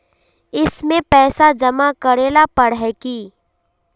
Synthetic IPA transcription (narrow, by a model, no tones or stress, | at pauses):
ɪsmẽpɛːsad͡ʒɐmakɐɾeːlapɐɽɦɛkiː